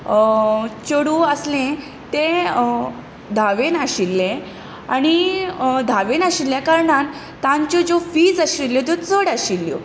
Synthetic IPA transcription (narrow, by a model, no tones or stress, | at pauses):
t͡ɕoɽuəslẽ | t̪ẽ | d̪ʱaʋenaɕilːẽ | aɽ̃id̪ʱaʋenaɕilːjakaɾɳan | t̪ãɲt͡ɕɔd͡ʑofiːd͡zaɕilːjɔt̪ot͡səɽaɕilːjo̰